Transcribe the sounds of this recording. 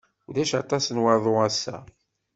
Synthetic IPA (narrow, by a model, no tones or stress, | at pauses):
uðæʃɑt̪ˤɑsənwɑɾðˤoæsːæ̰